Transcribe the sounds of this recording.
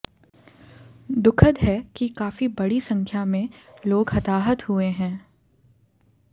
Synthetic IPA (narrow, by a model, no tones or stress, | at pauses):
d̪ʊkʰəd̪ɦɛkikaːfibɐɽisɐ̃ŋkʰjamẽloːɡhɐt̪aːɦət̪hueɦɛ̃ː